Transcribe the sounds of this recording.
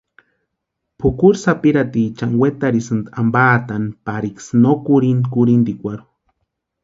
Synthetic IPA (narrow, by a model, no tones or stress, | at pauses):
pʰukuɾsapiɾat̪it͡ʃaŋwet̪aɾisɨnd̪ambaːt̪anpaɾiksnokuɾinkuɾind̪ikʷaɾu̥